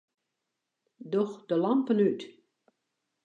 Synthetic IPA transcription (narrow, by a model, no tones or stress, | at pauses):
dɔxdəlampənyt